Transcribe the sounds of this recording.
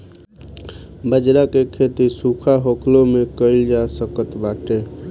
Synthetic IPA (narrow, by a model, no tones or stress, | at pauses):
bəd͡ʒɾakekʰet̪isukʰaɦokʰlomekəɪld͡ʒasəkət̪baʈe